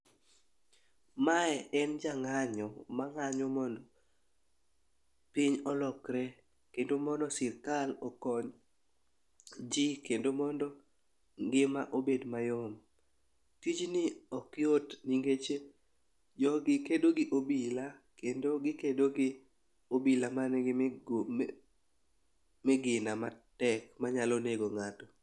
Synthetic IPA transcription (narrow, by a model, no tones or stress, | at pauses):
maɛɛnd͡ʒaŋaɲɔmaŋaɲɔmɔndɔ | pɪɲɔlɔkɾɛ | kendomɔndɔsɪrkalɔkɔɲ | d͡ʒikendomɔndɔ | ŋɡɪmaʔobedmajɔm | tit͡ʃnɪɔkɪotniŋɡet͡ʃe | d͡ʒɔɡɪkedoɡɪʔobilakendoɡɪkedoɡɪ | obilamanɡɪ | mɪɡɪnamatɛkmaɲaloneɡoŋatɔ